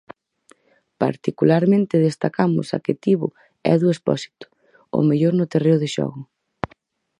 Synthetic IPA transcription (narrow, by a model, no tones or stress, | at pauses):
pa̰ɾt̪ikulaɾmẽnt̪ɪðest̪akamʊ̰sa̰kɪt̪iβʊ̰ | ɛ̰ðuespɔsi̥t̪ʊ̥ | ʊ̰meʎoɾnʊt̪ereʊðɪʃɔ̰ɣʊ